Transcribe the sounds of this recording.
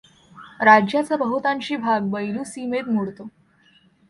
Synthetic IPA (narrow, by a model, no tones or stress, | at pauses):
ɾad͡ʑjat͡səbəɦut̪ãɲt͡ɕiːbʱaɡbəjluːsimet̪muɽt̪o